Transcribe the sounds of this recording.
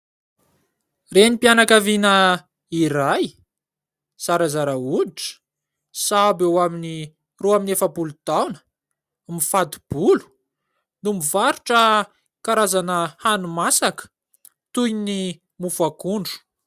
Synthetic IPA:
renipianakavinə | iɾaj | saɾazaɾaud̪iʈ͡ʂə̥ | sabewamini | roaminefəbulut̪awnə̥ | mifat̪u̥b̥ulu̥ | numivaɾuʈ͡ʂə | kaɾazanəhanumasakə̥ | t̪ujni | mufakuɳɖ͡ʐu̥

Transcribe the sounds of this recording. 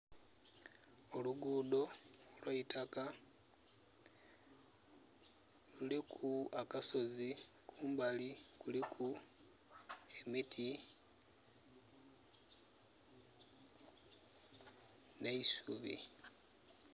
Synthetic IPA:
oluɡuːdo̞olwaitʰaka | lulikʰuakaso̞zi | kʰuːmbalikulikʰu | e̞mitʰi | ne̞isuβḭ

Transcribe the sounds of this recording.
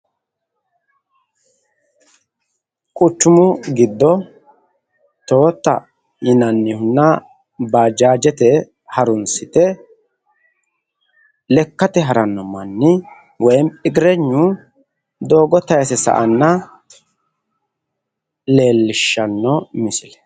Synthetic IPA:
kʼʊt͡ʃːʊmʊɡɪd̪ːɔ | t̪o̞ːt̪ːɐ̰ | jɪnɐnːɪhʊnːɐ | baːd͡ʒaːd͡ʒɛt̪ɛ | hɐɾʊnsɪt̪ɛ | lɛkːɐt̪ɛɦɐɾɐnːɔmɐnːɪ | wɔjɛmɪɡɪɾɛɲːʊ | d̪oːɡɔt̪ɐjsɛsɐ̰ʔɐnːɐ | le̞ːlːɪʃːɐnːɔmɪsɪlɛ

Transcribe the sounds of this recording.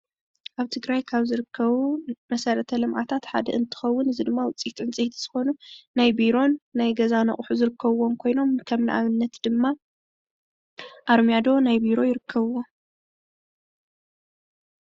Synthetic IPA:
ʔaβt̪ʰɨɡɾajkʰaβzɨɾɨkʰːɐβumɐsɐɾɐt̪ʰɐlɨmʔa̰t̪ʰat̪ħad̪ɐʔɨnt̪ʰɨ̥xɐwːʊnɨzid̪ɨmːawʊt͡sʼit̪ʼɨnt͡sʼɐht̪ʰiz̥ɨxo̞nunajbiɾo̞nːajɡɐzanɐ̰χʼħuzɨɾɨkʰːɐβwo̞mkʰo̞jno̞mkʰɐmnɨ̰ʔa̰βɨnːɐt̪d̪̥ɨmːa | ʔaɾmijad̪o̞najbiɾo̞jɪɾɨkʰːɐβwo

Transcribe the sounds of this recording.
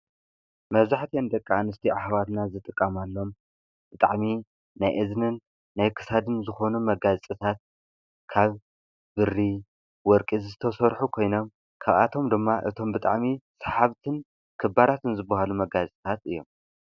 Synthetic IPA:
mɐβzaħt̪ʰijend̪ɐkʼːaanɨst̪ʰiʔaħβat̪nazɨt̪ʼɨkʼːɐmalːo̞m | b̥ɨt̪ʼaʕmi | najʔɨznɨnː | ajkʰɨ̥sad̪ɨnzɨxo̞numɐɡazt͡s̪ʼɨt̪ʰat̪̚ | kʰaβ | bɨri | wɔɾkʼizt̪ʰɐsɐɾħukʰo̞jno̞m | kʰaβa̰t̪ʰo̞md̪ɨmːaʔɨ̰t̪ʰo̞mbɨt̪ʼa̰ʕmisḁħaβt̪ʰɨn | kʰɨbaɾat̪ɨnzɨbːɐhalumɐɡazt͡sʼɨt̪ʰat̪ɨjːo̞̰m

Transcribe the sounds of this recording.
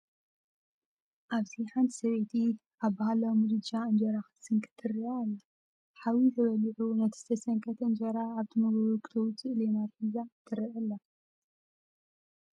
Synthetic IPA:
ʔaβziħant̪ʰi̥sɐβet̪ʰi | ʔaβbaɦalawmud̪ɨd͡ʒaɨnd͡ʒɐɾaxɨ̥sɨŋkʰɨ̥t̪ʰːɨɾiʔalːɐ | ħawit̪ʰɐβɐlʕunɐt̪ʰi̥sɐsɐŋkʰɐt̪ʰɨnd͡ʒɐɾaːβt̪ʰɨmɐɡɐɾukʰʼɨ̥t̪ʰɐwut̪ʰɨʔlenaɾħizat̪ʰɨɾiʔɐlːɐ

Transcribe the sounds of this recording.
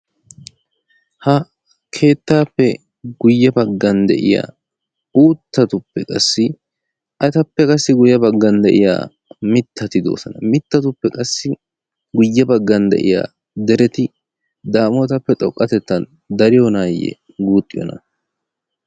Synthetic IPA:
hɐ | kʰe̞ːt̪ːaːpːɛ | ɡʊjːɐbɐɡːɐnd̪ɛ̰ʔɪja̰ː | uːt̪ːɐt̪ʊpːɛkʼɐsːɪ | ʔɐt̪ɐpːɛkʼɐsːɪɡʊjːɐbɐɡːɐnd̪ɛʔɪja̰ː | mɪt̪ːɐt̪ɪd̪o̞̰ːsɐnɐmɪt̪ːɐt̪ʊpːɛkʼɐsːɪ | ɡʊjːɐbɐɡːɐnd̪ɛ̰ʔɪ̰ja̰ː | d̪ɛɾɛt̪ɪ | d̪aːmoːt̪ɐpːɛt̪ʼɔkʼːɐt̪ɛt̪ːɐn | d̪ɐɾɪjonaːjɛ̰ | ɡuːt̪ʼːɪjɔ̰nɐ̰

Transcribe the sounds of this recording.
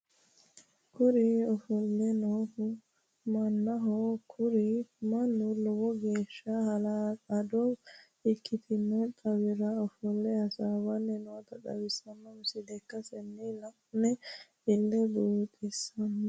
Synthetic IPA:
kʊɾiɔfɔlːɛnoːfʊ | mɐnːɐɦɔkʰʊɾɪmɐnːʊlɔwɔɡe̞ːʃːɐhlaɐd̪o | ɪkːɪt̪ʰɪmːɛt̪ʼɐwɪɾɐɔfɔlːɛhɐsawɐnːɛnɔt̪ɐkɐ̰wɪsɐnːɐmʊsɪd̪ɛkːɐsɛnːilɐ | nɛ | ɪlːɛd̪uːt̪ʼɪsɐnː

